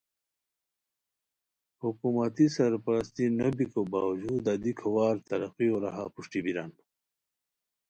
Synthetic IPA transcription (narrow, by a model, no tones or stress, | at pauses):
hukumɐt̪isɐɾpɐɾɐst̪inɐbikobaːwd͡ʑuːd̪ad̪ikʰɐwaːɾt̪ɐɾɐqioɾa̰ɦa̰puʂʈibiɾa̰n